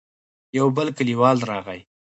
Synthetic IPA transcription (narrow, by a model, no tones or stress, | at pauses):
jawbəlkəliwɑlɾɑɣaj